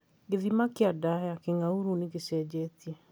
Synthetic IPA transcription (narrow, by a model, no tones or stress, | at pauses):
ɡeðimakeadaɦɛakeŋauɾuneɡesɛːd͡ʑɛːtiɛ